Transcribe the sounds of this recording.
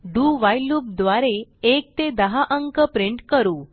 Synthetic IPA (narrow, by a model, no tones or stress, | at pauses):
ɖuːʋajluːb̚d̪ʋaɾeek̚t̪ed̪əɦaʔəŋkəpɾeɳʈkəɾuː